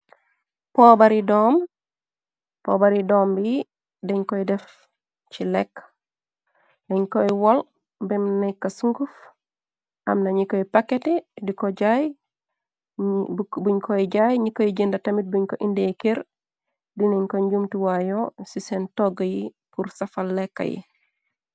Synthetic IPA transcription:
pobaɾidɔːm | po̰baɾidoːmbiji | deɲkoidɛf | t͡ʃilɛk | deɲkojwol | bɛmnejkːasuŋɡuf | ʔa̰mnɐɲikojpaketedikoɟaj | buɲkʰoiɟajɲikːojiɟendaɐtɐmit̚buɲkoʔindekeɾ | dineɲkoɲɟumtiwajosisentoɡəji | puɾsɐfalːɛkːa̰jḭ

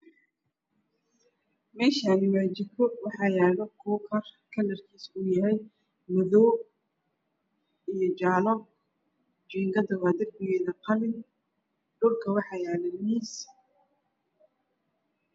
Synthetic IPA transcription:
mɛːʃaːnɪwaːt͡ʃɪkʰɔwɑħɑːjaːlɔkʰuːkʰɐrkʰɐlːɐrkʰiːsʊjɐɦɛj | mɐðɔː | ijɔt͡ʃaːlɔ | d͡ʒiːŋɡɐd̪ɐwaːd̪ɐrbɪɣɛːðɐqɑlɪn | ɖʊlkʰɐwɑħɑjaːlɛniːs

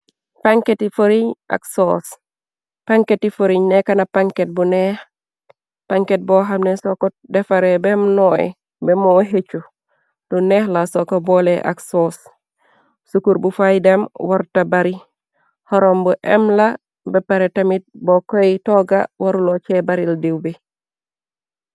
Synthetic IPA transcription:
paŋketifoɾiɲʔa̰ksos | paŋketifoɾiɲnekanapaŋket̚bunɛh | paŋket̚boɦamnesoko | defaɾebɛmnɔḛ | bemoɦet͡ʃu | d̥unehlasokoboleʔa̰ksoːs | sukuɾbufajdemwaɾtabaɾi | hɔɾombuʔɛ̰mla | bepaɾetamit̚bokojtoɡawaɾulot͡ʃebaɾildiwbi

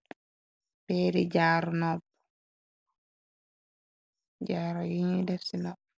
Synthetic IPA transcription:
pɛːɾid͡ʒaːɾɔnɔb | d͡ʒaːɾɔjiɲidɛfsinɔb̚

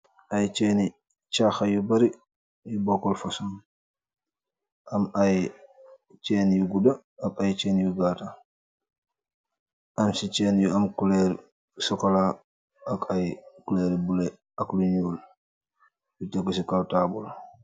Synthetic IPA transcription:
ʔɐjt͡ʃɛːni | t͡ʃaxɐjubɐɾi | jubɔkːɔlfɐsum | ʔɐmaj | t͡ʃɛːnjuɡudɐ | ɐmajt͡ʃɛːnjuɡaːta | ʔɐmsit͡ʃɛːnjuɐmkulɛɾ | sɔkɐlaː | kɐjkulɛːɾbulɛ | ɐkluɲuːl | jutɛkːɔsikawtaːbɔl

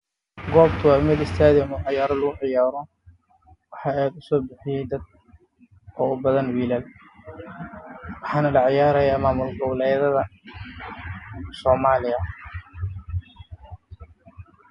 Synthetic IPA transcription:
ɡɔːbt̪ʰʊwɑʊmɪd̪ɪst̪ʰaːðɛmʊʕɪjaːɾɐlɐɣʊʕɪjaːɾɔ | wɑħɑːɛːd̪ʊsɔːbɪħɪjɛjd̪ɐd̪̚ | ɔːʊbɐðɐnwiːlɐl | wɑħɑːnɐlɑʕjaːɾɐjaːmaːmʊlɡɔwlɛjðɐðɐ | sɔːmaːlɪjɐ

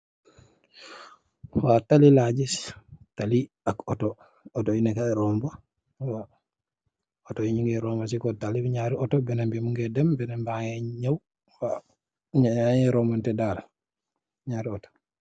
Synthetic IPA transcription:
watalilad͡ʒistali | akɔtɔ | ɔtɔinɛkaɾɔmba | wa | ɔtɔiɲiŋɡɛɾɔmas̬ikɔtaliɲaɾiɔtɔbɛnambɛmuŋɡɛdɛmbɛnɛmbaŋɛɲaw | fa | aŋɛɾɔmantɛdaːla | ɲaːɾiɔtɔ̥

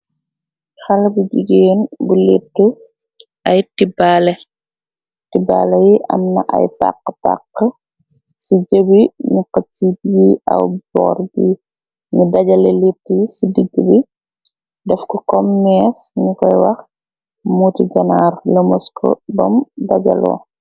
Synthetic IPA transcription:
xɐlɐbuɟuɡeːnbuletːu | ɐjtibalɛ | tiba̰ːlɛjiʔɐ̰mnɐ̰ʔɐ̰jpa̰qːə̥pa̰qːə | siɟəbiniqɐtːibjiʔɐ̰wbɔ̰ːrbi | ɲidɐɟɐleletːisidiɡːubi | dɛfkɔkɔmːɛːsɲikɔjwɐx | mutiɡɐnaːrlɐmɐskʰɔ̰bɐ̰mdaɟɐ̰lɔ̰ː

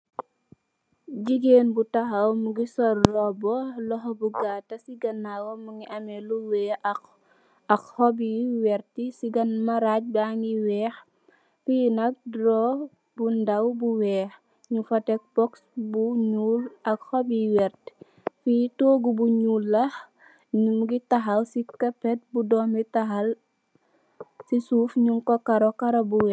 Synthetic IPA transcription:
ɟiɡeːnbutɐxɐwmuɡisɔrːɔbɔlɔxɔbuɡatɐsiɡɐnːawɔmuŋiʔɐmɛluwɛː | ɐkhɔbiwɛɾtisiɡɐnmɐɾac̚baŋiwɛːx | finɐk̚dɾɔ | bundɐwbuwɛːx | ɲufɐtɛk̚bɔksbuɲuːlɐkhɔbiwɛrt | fitoːɡubuɲuːlːɐh | ɲumɡitɐɦɐlsikɐpɛt̚budɔːmitɐɦɐl | sisuːfɲumkɔkɐɾɔkɐɾɐbuwɛ

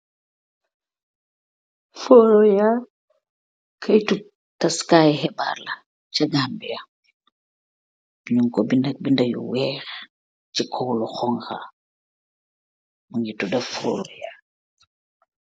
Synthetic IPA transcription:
fɔːɾɔjaː | kʰɐjtu | tɐskaːjhɛba̰ːrlɐ | cɐɡambiɐ | biɲuŋkɔbindɐk̚bindɐjṵwɛːx | cikʰɔwlɔxɔŋxa̰ | muŋitudɐffɔ̰ːlɔ̰ja

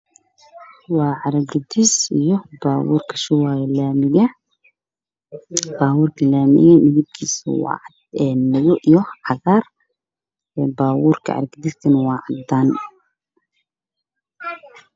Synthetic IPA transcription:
wɑːʕɑɾɐɡɐd̪isijɔbaːwṵːrkʰɐ̥ʃɪwaːjɛlaːmɪɣɐ | b̥aːwuːrkʰɐlaːmɪ̰ɣɐmɪðib̚kʰiːsɐ̰wɑ̰ːʕd̪ɛːnːɐɣɔʔijɔʕɑɣaːr | ɛbaːwuːrkʰɐ̰ʕɑ̰ɾɡɐd̪ist̪ʰɐnwɑːʕɑd̪aːn

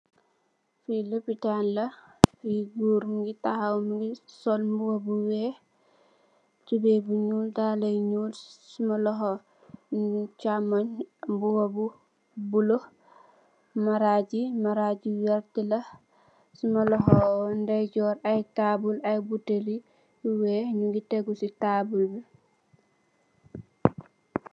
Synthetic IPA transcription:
filopitanlɐfɡuːɾmɡitahamɡisɔlmbuwabuwɛ | t͡ʃubebuɲuːldaːlɐjɲuːlsumɐlɔɦɔ | t͡ʃamaɲbuwabu | bulo | maɾaɟimaɾaɟiwɛɾtila | simalɔɦɔndajɟɔɾajtabulajbuteli | uwɛːhɲuɡiteɡusitabulbi

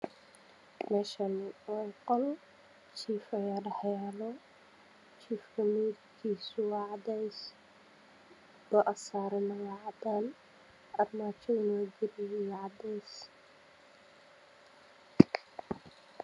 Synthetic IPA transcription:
mɛːʃɐnɪwɛjqɔl | t͡ʃiːfɐjaːɖɐħjalɔ | t͡ʃʰiːfkʰɐmiːɾkʰiːsʊwɑʕd̪ɛjs | b̥ɐʔɐsaːɾɐnɐwɑʕd̪aːn | ɐrmaːt͡ʃʰɔɪnɔɡɪɾɪjwɑʕd̪ɛjs

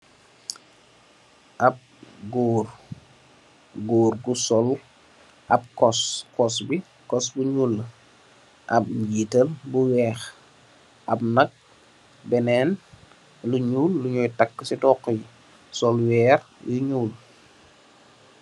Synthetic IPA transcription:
ʔɐp̚ɡuːr | ɡoːɾɡusɔl | ʔɐp̚kɔskɔsbi | kɔsbuɲuːlː | ʔɐp̚jiːtəlbuwɛːx | ʔɐbnɐk̚ | bɛnɛːn | luɲuːlːuɲɔːjtɐkːəsidɔːkːɔj | sɔlwɛːrjuɲuːl

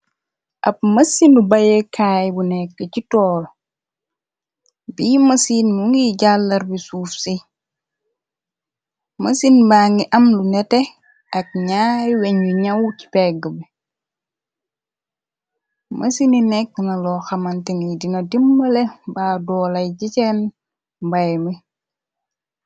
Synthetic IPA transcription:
ʔɐ̰p̚mɐsinubɐjekʰaːjbunɛkːəcitɔːl | biːmɐsinmuŋɡiɟalːɐɾbisufsi | mɐsinbaːŋɡiʔɐmlunɛtɛ | ɐk̚ɲajwɛɲuɲɐwci̥pɛɡəbi | mʔɐsininɛkːnɐlɔxɐmantiŋidinɐdimːɐlebaːdɔːlɐjɟicɛn | bajmi

